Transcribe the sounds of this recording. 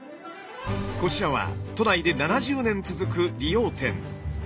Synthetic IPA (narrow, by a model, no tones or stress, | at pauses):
ko̞t͡ɕiɾaβ̞a̰t̪o̞naid̪e̞nanaʑɨːnẽ̞nt͡sɨzɨkɯ̟ɾʲijo̞ːt̪ẽ̞̰ŋ